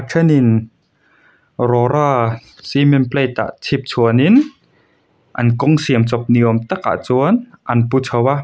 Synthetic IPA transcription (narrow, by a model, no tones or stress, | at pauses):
kʰanin | ɾɔɾa | simenplet̪a̰ʔt͡sʰip̚t͡sʰuənin | ʔankoŋsiəmt͡sɔp̚niomt̪ak̚a̰t͡suənʔanput͡sʰəwa